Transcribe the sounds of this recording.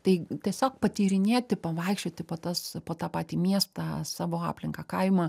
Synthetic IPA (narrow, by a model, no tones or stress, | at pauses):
t̪ɐɪt̪ʲiɛsʲoːk̚pɐt̪ʲiːɾʲɪnʲeːt̪ʲɪpɐʋɐˑɪkʃʲt͡ʃʲoːt̪ʲɪpoːt̪ɐspoːt̪ɑːpɑːt̪ʲiːmʲiɛst̪ɑsɑːʋoːɑ̰ːpʲlʲɪŋkɐːkɐɪmɐ